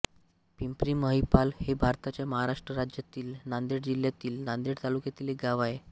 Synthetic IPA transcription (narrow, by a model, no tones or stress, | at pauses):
pimpɾiməɦipalhebʱaɾt̪at͡ɕjaməɦaɾaʂʈɾəɾad͡ʑjat̪iːlnand̪eɽd͡ʑiljat̪iːlnand̪iɽt̪alukjat̪ileɡaʋaje